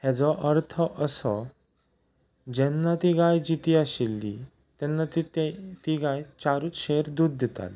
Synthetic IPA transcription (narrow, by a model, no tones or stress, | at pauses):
hɛd͡zɔʔəɾt̪ʰəʔəsɔ | d͡ʑɛnːat̪iɡajd͡ʑit̪iaɕilːḭ | t̪ɛnːat̪it̪iɡajt͡ɕaɾuːt͡sɕeɾd̪ud̪̚ːɛt̪a̰li